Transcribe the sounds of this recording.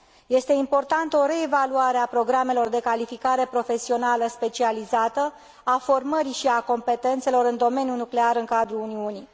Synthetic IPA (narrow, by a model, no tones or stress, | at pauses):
je̞st̪e̞impo̞rt̪ant̪əo̞ɾe̞ːvaluaɾeapɾo̞ɡɾame̞lo̞rd̪e̞kalifikaɾe̞pɾo̞fe̞sio̞naləspe̞t͡ʃializat̪ə | afo̞rməɾiʃiako̞mpe̞t̪e̞nt̪se̞lo̞ɾɨnd̪o̞me̞njunukle̞aɾɨŋkad̪ɾuluniuni